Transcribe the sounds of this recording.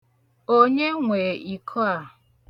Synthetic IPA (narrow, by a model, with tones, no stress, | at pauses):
o˦ɲe˦ŋʷeː˨i˨kʰɔ˦a˨